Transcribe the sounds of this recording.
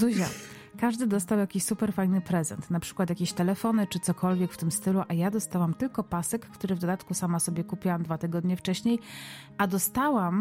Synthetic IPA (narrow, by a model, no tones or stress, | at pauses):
uʑa̰ | kaʐd̪ɘd̪ɔst̪awjakʲiɕsupɛɾfajnɘpɾɛzɛ̰nt̪napʂɘ̥kwat̪jakʲeɕt̪ɛlɛfɔnɘt͡ʂɘt̪sɔkʰɔlvʲjɛkft̪ɘmst̪ɘluʔajad̪ɔst̪awamt̪ɘlkɔpasɛkːt̪uɾɘvd̪ɔd̪at̪kusamasɔbʲjɛkupʲjiwamd̪vat̪ɘɡɔd̪ɲɛft͡ʂɛɕɲej | ʔad̪ɔst̪awam